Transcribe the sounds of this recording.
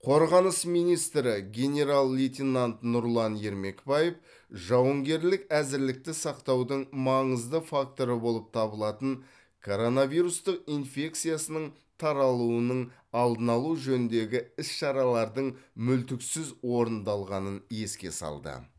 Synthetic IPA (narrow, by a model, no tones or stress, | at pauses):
qʰo̞ɾʁɑnəsmijnijst̪ɾɪɡʲe̞nʲe̞ɾalˠːit̪ʲinant̪nʊɾlˠɑnje̞ɾme̞kbajef | ʒɑwəŋɡʲe̞ɾlɪkæzɪɾlɪk̚t̪ɪsɑqt̪ɑwd̪əɴmɑɴəzd̪əfak̚t̪o̞ɾəbo̞lˠəp̚t̪ʰɑbəlˠɑt̪əɴ | kʰo̞ɾo̞navijɾust̪əq̚infʲe̞k̚t̪sijasənəɴ | t̪ʰɑɾɑlˠuənəɴ | ɑlˠd̪ənɑlˠuʒɵnɪnd̪e̞ɡʲɪɪsʃɑɾɑlˠɑɾd̪əɴmʏlt̪ɪksɪzwo̞ɾənd̪ɑlˠʁɑnənje̞skʲe̞̰sɑ̰lˠd̪ə̰